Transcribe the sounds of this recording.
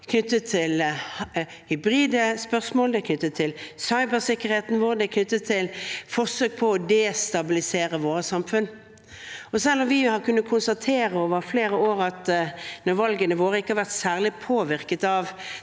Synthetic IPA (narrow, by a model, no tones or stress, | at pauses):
kʰnʏt̪ːət̪ʰːɪlh | hʏbɾiːd̪əspœʁsmoːld̪ɛkʰnʏt̪ːət̪ʰːɪlsɑɪbəsɪkːəʁheːt̪n̩ʋoːɾd̪ɛkʰnʏt̪ːət̪ʰːɪlfɔʁsøːk̚pʰɔɔd̪ɛːst̪ɑbɪlɪseːɾəʋoːʁəsɑmfʉn | ɔsɛlːɔmʋɪhɑʁkʉnːət̪kʰʊnst̪ɑt̪ʰeːɾəoːʋəɾfleːɾəoːɾɑt̪nɔʋɑlɡənəʋoːɾəɪkəhɑɾʋæʁt̪sæːʁlɪpʰoːʋɪɾkət̪ɑʋ